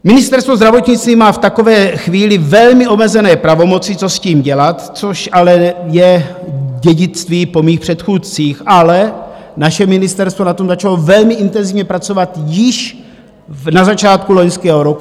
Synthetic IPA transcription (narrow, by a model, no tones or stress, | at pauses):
mɪnɪst̪ɛɾst̪vozd̪ɾavo̞t̪ɲɪt͡st̪viːmaːft̪ako̞vɛːxviːlɪvɛlmɪʔo̞mɛzɛnɛːpɾavo̞mo̞t͡sɪt͡so̞sciːmɟɛlat̪t͡soʃʔalɛjɛ | ɟɛɟɪt͡st̪viːpo̞miːxpr̥ɛt̪xuːt̪t͡siːxʔalɛ | naʃɛmɪnɪst̪ɛɾst̪vo̞nat̪o̞mzat͡ʃalovɛlmɪʔɪnt̪ɛnzɪvɲɛpɾat͡so̞vat̪jɪʃ | nazat͡ʃaːt̪kuloɲskɛːɦoɾoku